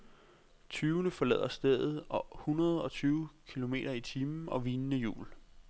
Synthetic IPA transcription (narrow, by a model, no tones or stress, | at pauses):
t͡sʰyːʊnəfɒ̽lɛ̰ːðˠɐsd̥eð̰ˠð̩ˠɒ̽hunɐð̞ˠɒ̽t͡sʰyːʊkʰilo̝me̝̰ːɾ̥ɐit͡sʰiːm̩ɒ̽ʋiːnːəjṵːl